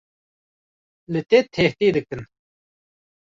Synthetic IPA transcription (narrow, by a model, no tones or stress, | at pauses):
lɨt̪et̪ʰeːht̪id̪ɨkɨn